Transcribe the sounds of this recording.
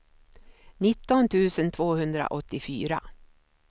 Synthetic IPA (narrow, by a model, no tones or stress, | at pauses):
nɪt̪ːɔnt̪ʰʉ̟ːsənt̪ʰvoːhɵnd̪ɾa̰ʔɔt̪ːɪfyːɾa̰